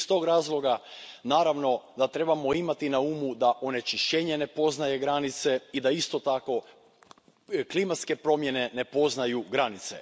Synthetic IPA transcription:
st̪o̞ɡɾaːzlˠo̞ɡanaːɾaʋno̞d̪at̪ɾe̞bamo̞imat̪inauːmud̪aʔo̞ne̞t͡ʃiʃt͡ɕe̞ɲe̞ne̞po̞znaje̞ɡɾanit̪se̞id̪aist̪o̞t̪ako̞ | klimat̪ske̞pɾo̞mje̞ne̞ne̞po̞znajuɡɾanit̪se̞̰

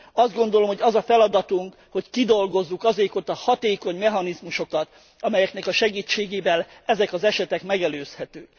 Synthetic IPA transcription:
ɒzd̪ɡo̞nd̪o̞lomhoɒzɒfɛlɒd̪ɒt̪uŋk | ho̞ckid̪o̞lɡo̞zːukɒzeːkot̪ːɒhɒt̪eːko̞ɲmɛɦɒnizmuʃo̞kɒt̪ | ɒmɛjɛknɛkɒʃɛɡiːt͡ʃːeːɡeːvɛlɛzɛkɒzɛʃɛt̪ɛkmɛɡɛløːshɛt̪øː

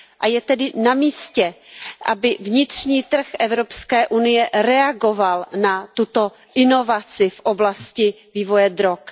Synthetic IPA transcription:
ʔajɛt̪ɛdɪnamiːscɛʔa̰bɪvɲɪt̪r̝̥ɲiːt̪r̩xʔɛvɾopskɛːʔunɪjɛɾɛaɡo̞valnat̪ut̪o̞ | ʔɪno̞vat͡sɪfʔoblascɪ | viːvo̞jɛd̪ɾok

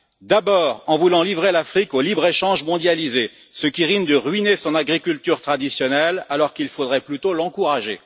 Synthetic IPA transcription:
d̪abɔːʁɑ̃vulɑ̃livʁelafχikolibʁeʃɑ̃ʒmɔ̃d̪jalize | səkʲiʁind̪əʁɥinesɔ̃naɡʁikʲylt̪yʁt̪χad̪isjɔnɛlalɔʁkilfod̪ʁɛplyt̪olɑ̃kuʁaʒe

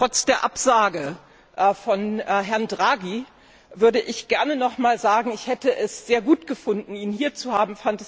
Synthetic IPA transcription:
tʁ̥ɔt͡sd̥eːɐʔapz̥aːɡə | ʔɛfɔnːɦɛɐndʁaːɡi | vʏɐɾəʔɪçɡ̥ɛɐnənɔχmaːlzaːɡŋ̩ɪçhɛtəʔɛsz̥eːɐɡuːtɡ̥əfʊndn̩iːnhiːɐt͡suhaːbm̩fantɛs

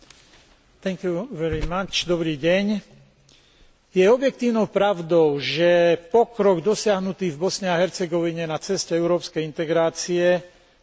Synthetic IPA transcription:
t̪ɛŋkjuʋɛɾimat͡ʃd̪ɔbɾiːɟɛɲ | jɛɔbjɛk̚t̪iːʊnɔʊpɾaʊd̪ɔʊʒɛpɔkɾɔɡd̪ɔsɪaɦnut̪iːvbɔsɲɛaɦɛɾt͡sɛɡɔʋiɲɛnat͡sɛscɛɛʊɾɔːpskɛjint̪ɛɡɾaːt͡siɛ

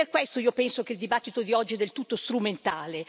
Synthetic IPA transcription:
perkwest̪oiːopɛnsok̟eild̪ibat̪ːit̪od̪iɔd͡ʒːiɛd̪ːelt̪ut̪ːost̪ɾument̪aːle

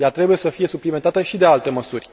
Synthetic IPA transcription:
jat̪ɾe̞buje̞səfije̞supliment̪at̪əʃid̪e̞alt̪e̞məsurʲ

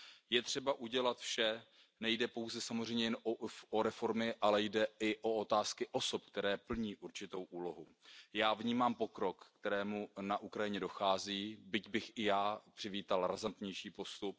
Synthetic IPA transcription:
jɛt̪r̝̥ɛbaʔuɟɛlat̪fʃɛ | nɛjdɛpo̞wzɛsamozrɛjɲɛjɛnoɾɛfo̞ɾmɪʔalɛjdɛɪʔo̞o̞t̪aːskɪʔo̞so̞pk̚t̪ɛɾɛːpl̩ɲiːʔuɾt͡ʃɪt̪o̞wʔuːlo̞ɦujaːvɲiːmaːmpo̞kɾo̞kːt̪ɛɾɛːmunaʔukɾajɪɲɛdo̞xaːziːbɪcbɪxʔɪjaːpr̥ɪviːt̪alɾazant̪ɲɛjʃiːpo̞st̪up̚

